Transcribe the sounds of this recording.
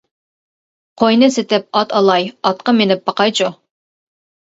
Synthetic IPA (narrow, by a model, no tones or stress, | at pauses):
qʰojnɨsɪt̪ɪp̚ɑt̪ʰɑlˠɑjɑt̪qɑmenɪp̚b̥ɑqɑjt͡ʃʰu